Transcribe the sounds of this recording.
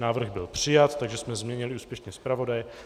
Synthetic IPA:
naːvr̩ɣbɪlpr̝̥ɪjat̪t̪aɡʒɛsmɛzmɲɛɲɪlɪuːspjɛʃnɛspɾavo̞dajɛ

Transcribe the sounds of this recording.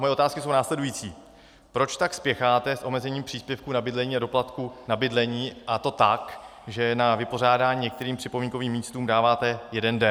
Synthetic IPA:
mo̞jɛʔot̪aːskɪsownaːslɛdujiːt͡sḭː | pɾo̞t͡ʃt̪akspjɛxaːt̪ɛsʔo̞mɛzɛɲiːmpr̥iːspjɛfkuːnabɪdlɛɲiːado̞plat̪kunabɪdlɛɲiːʔat̪o̞t̪akʒɛnavɪpo̞r̝aːdaːɲiːɲɛkt̪ɛɾiːmpr̥ɪpomiːŋkoviːmːiːst̪uːmdaːvaːt̪ɛjɛdɛndɛ

